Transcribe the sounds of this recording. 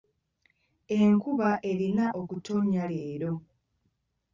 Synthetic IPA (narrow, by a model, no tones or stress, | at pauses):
e̞ŋkuβaʔe̞ɾinaʔokuto̞ɲaleːɾo̞